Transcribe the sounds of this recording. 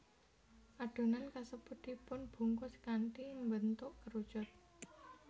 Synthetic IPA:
ʔaɖ̥o̤nankasəbut̪ipʊnb̥ṳŋkʊskaɳʈiŋmbənt̪ʊʔkəɾud̥ʒ̥ɔ̤t̪̚

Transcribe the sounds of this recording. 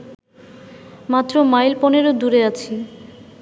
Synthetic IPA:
mat̪ːɾomajlpɔneɾod̪uɾeat͡ɕʰi

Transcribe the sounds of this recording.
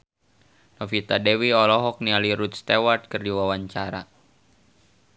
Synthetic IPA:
nɔfit̪adɛwiɔlɔɦɔk̚nialiɾut̪̚st̪ewart̪̚kərdiwawaɲt͡ʃaɾa

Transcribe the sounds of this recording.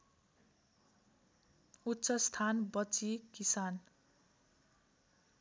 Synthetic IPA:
utːsʌst̪ʰanbʌt͡sikisan

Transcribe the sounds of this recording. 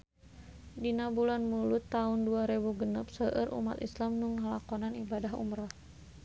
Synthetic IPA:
dinabulanmulut̪ːaunduaɾebuɡənəp̚səʔəɾṵma̰t̪islamnuŋalakɔnanibadaɦṵmɾa

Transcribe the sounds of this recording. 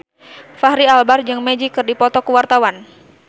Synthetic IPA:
fahɾialbard͡ʒɨŋmɛd͡ʒikɨrdipɔt̪ɔkuwart̪awan

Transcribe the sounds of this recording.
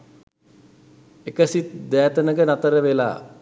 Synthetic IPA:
ekəsit̪d̪æːt̪ənəɡənat̪əɾəʋela̰ː

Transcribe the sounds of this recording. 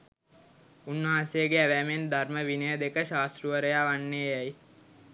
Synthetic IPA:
unːəɦãːsejəɡeæʋæːmend̪arməʋinəjəd̪ekəʃaːst̪ɾuʋəɾəjaːʋanːeːjɛj

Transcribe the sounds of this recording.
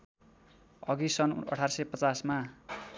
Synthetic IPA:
ʌɡisʌnʌ̰ʈʰarsʌpʌt͡sasma

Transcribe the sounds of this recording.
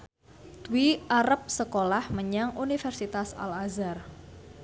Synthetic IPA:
t̪wiaɾəp̚səkolahməɲaŋunifɛrsit̪asa̰lazar

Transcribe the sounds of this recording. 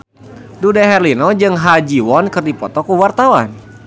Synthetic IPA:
dudaɦɛrlinɔd͡ʒɨŋɦad͡ʒiwɔnkɨrdipɔt̪ɔkuwart̪awan

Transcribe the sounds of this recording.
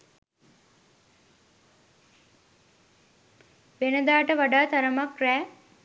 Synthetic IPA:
ʋenəd̪aːʈəʋaɖaːt̪aɾəmakræː

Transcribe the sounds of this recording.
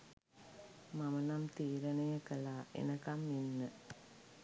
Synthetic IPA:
mɐmɐnɐmt̪iːɾɐnɐjɐkɐlaːʔḛnɐkɐminːə

